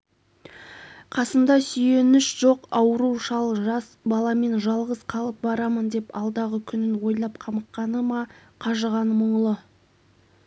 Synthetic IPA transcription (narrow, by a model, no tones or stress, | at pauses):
qʰɑsəmd̪ɑsʏje̞nɪʃʒ̥o̞qɑwəɾuʃɑlˠʒɑsbɑlˠɑme̞nʒɑlˠʁəzqʰɑlˠəp̚bɑɾɑmənd̪e̞pɑlˠd̪ɑʁəkʲʰʏnɪnwo̞jlˠɑp̚qʰɑməqːɑnəmɑqʰɑʒəʁɑnəmʊɴlˠə